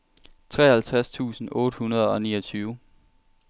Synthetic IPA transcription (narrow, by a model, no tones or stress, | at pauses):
t͡sʰʁɛhælt͡sʰʁast͡sʰṵːsn̩ɔ̽ːd̥əhunɐð̞ˠɒ̽niːʌt͡sʰyːʊ